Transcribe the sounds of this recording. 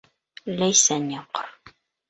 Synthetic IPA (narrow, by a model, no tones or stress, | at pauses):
læjsænjɑqɤɾ